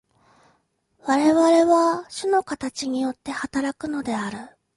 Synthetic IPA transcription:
βaɾe̞βaɾe̞βaɕɨno̞kat̪at͡ɕiɲ̟ijo̞t̪ːe̞hat̪aɾakɯ̟no̞d̪e̞aɾɯ̟

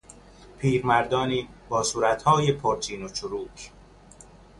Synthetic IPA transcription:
pʰiːɾmæɾd̪ɒːniːbɒːsuːɾæt̪hɒːjepʰoɾt͡ʃ̪ʰiːnot͡ʃʰoɾuːkʰ

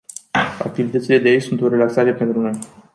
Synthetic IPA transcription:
a̰k̚t̪ivit̪ət̪sile̞d̪ejejsunt̪o̞ɾe̞laksaɾe̞pe̞nt̪ɾuno̞j

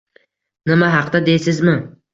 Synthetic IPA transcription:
nɪmaɦɑqd̪ad̪e̞jsɪzmɪ

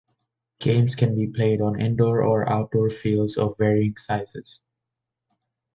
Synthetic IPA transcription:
ɡ̥ẽɪ̃mskʰɛ̃nbiːpʰl̥eɪɾɔ̃nɛ̰̃ndɔːɹɔɹʔa̰ʊt̚d̥ɔːɹfilzɔ̰vːɛɹiɪ̃ŋsaɪzɪz̥

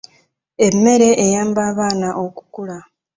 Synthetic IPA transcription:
e̞mːe̞ɾe̞ʔːjaːmbaːβaːnaʔo̞ku̥kula

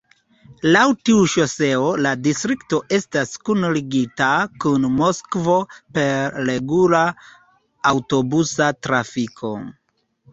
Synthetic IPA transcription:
lawtiuʃo̞se̞oladistɾikto̞ʔe̞staskunliɡitakunmo̞skvo̞pe̞ɾːe̞ɡula | awto̞busatɾafikʰo̞̰

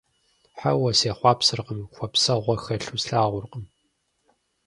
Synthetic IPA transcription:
ħa̰wɐseːχʷɑːpsɨrqəmxʷɔpsɐʁʷɔxɐɬuːsɬaːʁʷʊrqəm

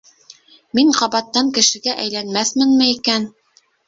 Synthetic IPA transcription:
miɴqɑβɑt̪ːɑŋkɘ̆ʃɘ̆ɡæʔæjlænmæθmɘnmɘikæn

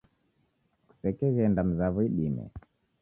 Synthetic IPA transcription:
ku̥sɛkɛɣɛndam̩zaβɔiɗimɛ̰

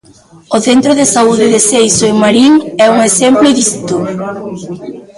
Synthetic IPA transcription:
oθent̪ɾoðɪsauðɪðesejsoeŋmaɾiŋɛuŋesempleðist̪o

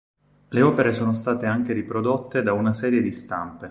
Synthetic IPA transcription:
leɔːpeɾesoːnost̪aːt̪eaŋk̟eɾipɾod̪ot̪ːed̪aunasɛːɾjed̪ist̪a̰mpe

